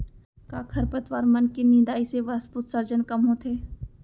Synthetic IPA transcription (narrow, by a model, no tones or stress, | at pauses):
kaːkʰɐɾpət̪ʋaːɾmɐnkenɪ̃ːd̪aːiseʋɐspʊt̪səɾd͡ʒənkɐmɦõːt̪ʰeː